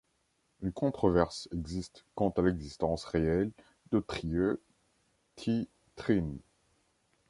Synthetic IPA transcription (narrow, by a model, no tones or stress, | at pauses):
ynkɔ̃t̪χɔvɛʁsɛɡzist̪kɑ̃t̪alɛɡzist̪ɑ̃sʁeɛl | d̪ət̪χiø | kʰi | t̪χin